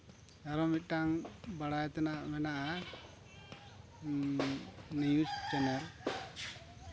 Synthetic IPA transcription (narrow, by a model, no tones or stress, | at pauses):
aɾɔmit̪̚ʈaŋbaɽajt̪ɛnamɛnaʔa | nijustɛnɛɾ